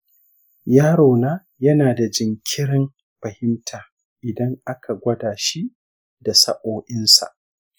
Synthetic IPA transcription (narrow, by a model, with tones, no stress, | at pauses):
jaː˦ɽoː˨naː˦ | jɐ˦naː˨da˨d͡ʒɪ˨ŋkʲʰɪ˦ɾɪ˦m | ɸɐ˨hɪ˦mtʰaː˨ | ʔɪ˨dɐ˦ŋʔa˦kʰa˨ɡʷɐ˦daː˨ʃi˦ | da˨sɐ̰˦ʔʼoː˦ʔɪ˦nsa̰˨ʔ